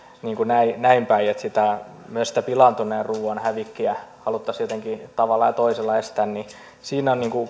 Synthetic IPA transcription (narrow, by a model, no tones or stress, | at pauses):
niːŋkunæinæimpæiet̪sit̪æ | myøsi̥t̪æpilɑnt̪uneːrruːonhæʋikːiæhɑlut̪ːɑsjot̪eŋkit̪ɑʋɑlːˑɑjɑt̪oiselːɑest̪ænni | siːnonniːŋku